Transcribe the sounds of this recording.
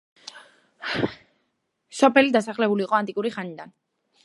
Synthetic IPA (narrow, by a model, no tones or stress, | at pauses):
ʃɔpɛlid̪asaχlɛβuliːʁoant̪ʼikʼuɾiχanid̪an